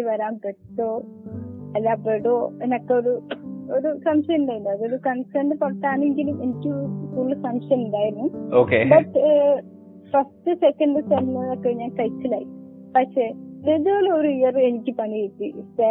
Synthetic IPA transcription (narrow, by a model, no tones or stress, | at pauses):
iʋɐɾaːmpeʈtoː | ɐlːaːpeɽoːenɐkːeoɾuoɾusɐmʂɐiɳɖaːjiɳɖ̪uɐðoɾukɐnsʈɐɳɖɨpɐɽɐʈ̪ːaːneŋɡilume̞nikʲːɨkuːɭːɨsɐmʂɐmiɳɖaːjiɾunːuoːkebɐʈː | fɐsʈɨsekːɐɳɖɨsɐnnɐðɐkːeːɲaːnkɐjtːila̰ːji | pɐʂeːnedoːloɾuijɐre̞nikʲːɨpɐniet̪ːise